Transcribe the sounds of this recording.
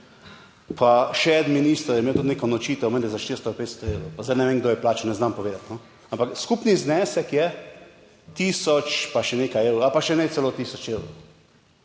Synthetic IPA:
pʰaʃɛd̪minist̪ɾojɛmeːwt̪ut̪nekɔnɔt͡ʃiːt̪ɛwmɛ̃nd̪ɛzaʃt̪iɾst̪ɔpeːt̪st̪ɔeːwɾowpazd̪ajnɛʋeŋɡ̚d̪oːjɛplaːt͡ʃɔnɛznampɔʋeːd̪at̪nɔ | ampakskupniznɛːsɛkjɛ | t̪iːsɔt͡ʃpaʃɛneːkajeːwɾoalpaʃɛnɛt̪sɛlot̪iːsɔt͡ʃewɾow

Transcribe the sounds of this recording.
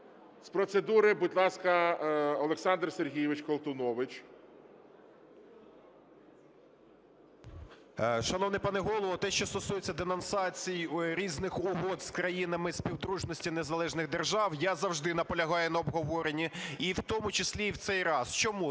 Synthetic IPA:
spɾɔt̪sed̪uɾɪbudʲlˠɑskɐɔlˠeksɑnd̪rserɦʲijɪʋɪt͡ʃkɔlˠt̪ʊnɔʋɪt͡ʃ | ʃɐnɔwnɪjpɑnɪɦɔlˠɔʋɔt̪ɛʃt͡ʃɔst̪ɔsujet͡sʲːɐd̪enɔnsɑt͡sʲijɾʲiznɪxʊɦɔd̪skɾɐjinɐmɪspʲiwd̪ɾuʒnɔsʲtʲinezɐlˠɛʒnɪɣd̪erʒɑwjazɐwʒd̪ɪnɐpɔlʲɐɦɑjɛnɐɔbɦɔʋɔɾenʲːiiwt̪ɔmʊt͡ʃɪsʲlʲiwt̪sɛjɾɑst͡ʃɔmu

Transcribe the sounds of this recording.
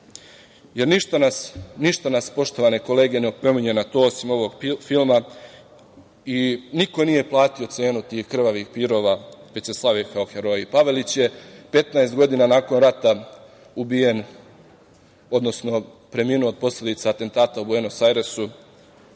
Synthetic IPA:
je̞ɾniʃt̪anasniʃt̪anaspo̞ʃt̪o̞ʋane̞ko̞le̞ːɡe̞neopɾo̞miɲe̞nat̪o̞ːosimo̞ʋo̞ɡfilˠma | iniko̞nije̞plˠaːt̪io̞t̪se̞ːnut̪iːxkr̩ʋaʋixpiɾo̞ːʋaʋet͡ɕseslˠaʋikaoxe̞ɾo̞jipaʋe̞lit͡ɕje̞pe̞t̪naest̪ɡo̞d̪inanaːko̞nɾat̪a | ubije̞n | o̞d̪no̞sno̞ | pɾe̞miːnuod̪̚po̞slʲe̞d̪it̪saːt̪e̞nt̪aːt̪auboenosajɾesu

